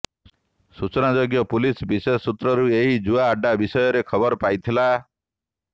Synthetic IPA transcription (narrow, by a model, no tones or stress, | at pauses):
sut͡ʃɔnad͡ʒoɡjɔpulisbisessːut̪ɾɔɾueɦid͡ʒuaːɖabisɔjɔɾekʰɔbɔɾɔpajt̪ʰila